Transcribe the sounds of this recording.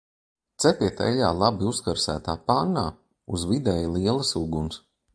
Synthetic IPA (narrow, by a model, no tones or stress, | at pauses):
t̪sɛpiɛt̪ɛ̰ʎaːlˠabiuskaɾsæ̰ːt̪aːpanːaː | uzvid̪ɛjlˠiɛlˠɐsuɡuns